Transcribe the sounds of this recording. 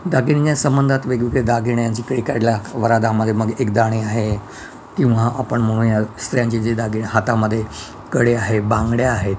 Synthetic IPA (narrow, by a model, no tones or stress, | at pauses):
d̪aɡiɽjasəmbənd̪ʱat̪ʋeɡʋiked̪aɡʱiɳjaɲt͡ɕiːkɽikaljaʋəɾad̪aməd̪ʱːjeməɡekd̪aɽ̃iaɦe | kĩw̃ʋaʔapəɳm̤əɽ̃uːnjast̪ɾjãɲt͡ɕid͡ʑed̪aɡʱiɳɦat̪aməd̪ʱːje | kəɽeaɦebãŋɡɽjaːɦe